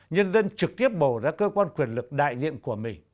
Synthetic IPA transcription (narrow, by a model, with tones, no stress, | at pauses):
ɲə˧nzə˧nt͡ɕɨ˨˩k̚t̪i˦˥əp̚ɓo˧˩zaː˧kəː˧kwaː˧nkwi˨˩ənlɨ˨˩k̚ɗa̰ː˧˨jzḭ˧˨ənku˧˩əmï˨˩ŋ